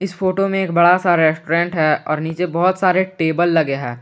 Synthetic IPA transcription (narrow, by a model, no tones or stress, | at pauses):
ɪsfoːʈomẽeːkbɐɽasaːɾaɾɛsʈoɾɛ̃ːɳʈɦɛɔ̰ːɾniːt͡ʃebɔɦʊt̪saːɾeʈeːbəlːɐɡeɦɛ̰ː